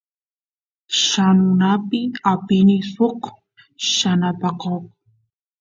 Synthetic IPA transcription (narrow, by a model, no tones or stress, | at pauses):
ʃanʊnapɪapɪnɪsoq | ʃanapaqoq